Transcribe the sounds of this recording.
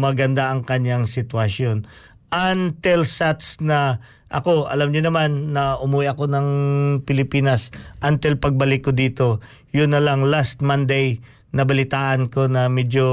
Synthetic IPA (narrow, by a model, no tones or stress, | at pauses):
mɐɡɐnd̪aʔɐŋkɐɲːaŋsɪt̪wɐsjon | ʔɐnt̪ɛlsat̪snɐ | ʔɐ̰ko̞ʔɐlamɲʊnɐmanːɐʔʊmuwɛʔɐko̞nɐŋpɪlɪpiːnɐsʔɐnt̪ɛlpɐɡ̚bɐlɪkːod̪iːt̪o̞ | jʊnːɐlɐŋlast̪̚mand̪ɛj | nɐbɐlɪt̪aːʔɐnko̞nɐmɛd͡ʒo